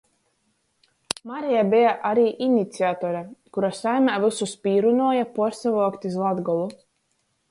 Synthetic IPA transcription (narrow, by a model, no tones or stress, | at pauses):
maɾijabijaʔaɾiːʔinit̪siat̪ɔɾakuɾasajmʲaːvisuspʲiːɾunɔɔjapɔɔɾsavɔɔkt̪izlˠad̪ɡɔlˠu